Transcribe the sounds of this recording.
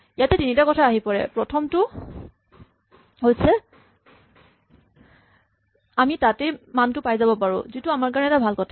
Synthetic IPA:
ijatɛtinitakɔtʰaːɦipɔɹɛ̰pɹɔtʰɔmtʊ | ɦojsɛ | amitatɛmantʊpajzabɔpaɹʊ̰̃zitʊamaɹkaɹɔnɛtabʱalkɔtʰa

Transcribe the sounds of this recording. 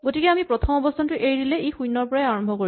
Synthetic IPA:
ɡotikɛamipɹɔt̪ʰɔmɔbɔstʰantʊʔeɹidilɛejxujnːɔɹpɔɹaɛaɹɔmbʱɔkoi

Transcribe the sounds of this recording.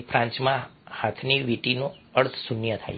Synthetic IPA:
fʰɾãɲt͡ʃmãhat̪ʰniʋiʈinõəɭt̪ʰsunjət̪ʰa̰j

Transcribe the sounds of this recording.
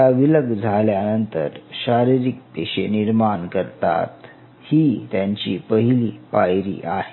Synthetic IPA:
aʋiləɡd͡zʱaljanənt̪ə̰ɾɕaɾiɾik̚t̪eɕeniɾmankəɾt̪a̰t̪ | hiːt̪jaɲt͡ɕiːpəɦiliːpajɾḭːʔaɦe̥

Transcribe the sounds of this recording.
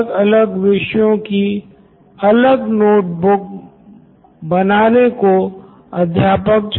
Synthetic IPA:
ɡɐləɡʋɪʃjõki | ɐləɡnoːʈ̚bʊk̚ | bɐnaːneko | ɐd̪ʱjaːpək̚d͡ʒ

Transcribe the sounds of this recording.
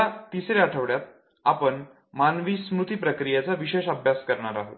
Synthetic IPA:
at̪isɾeaʈʰəʋɽjat̪̚ | apəɳ | manʋismɾut̪iːpɾəkɾijet͡saʋiɕeɕəbʱjaskəɾɳaɾaɦo̰t̪

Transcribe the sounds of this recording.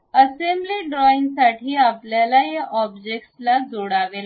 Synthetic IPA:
əsembliɖɾɔiŋɡsaʈʰiːapljalajeʔɔbd͡ʑek̚ʈslad͡zoɽaʋela

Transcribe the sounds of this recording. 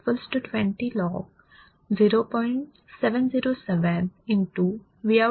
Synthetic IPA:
fəlsʈːuʈʋɛ̃ɳʈilɔːɡ | ziːɾoːpɔ̃ɪ̃ɳʈ | sɛʋə̃nziːɾoːsɛʋə̃nɪ̃nʈu | ʋia

